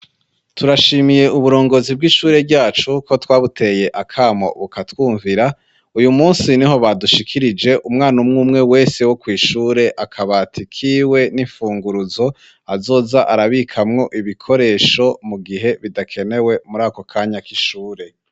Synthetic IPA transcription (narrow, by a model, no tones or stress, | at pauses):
tuɾaʃiːmije̞ʔuβuɾo̞ːŋɡo̞ːzib̚ɡiʃuːɾe̞bɟaːt͡ʃuko̞twaːβute̞je̞ʔakʰaːmo̰βukatwuːɱviɾa | ujumuːnsiniɦo̞βaduʃikʰiɾid͡ʒe̞ʔumŋaːnumŋuːmŋe̞we̞ːse̞wokwiːʃuːɾe̞ʔakʰaβatʰikʰiːwe̞niɱfuːŋɡuɾuzo̞ | azo̞ːzaʔaɾaβikʰamŋo̞ʔiβikʰo̞ɾe̞ːʃo̞muɡiɦe̞βidakʰe̞ne̞we̞muɾaːko̞kʰaːɲakiʃuːɾe̞